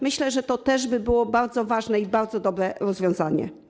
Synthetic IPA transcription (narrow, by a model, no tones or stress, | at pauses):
mɘɕlɛʐɛt̪ɔt̪ɛʐbɘbɘwɔbaɾd̪zɔvaʐnɛibaɾd̪zɔd̪ɔbɾɛɾɔzvʲjɔ̃w̃zaɲɛ̰